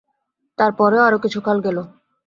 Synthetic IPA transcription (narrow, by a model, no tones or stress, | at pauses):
t̪aɾpɔɾeoaɾokit͡ɕʰukʰalɡɛlo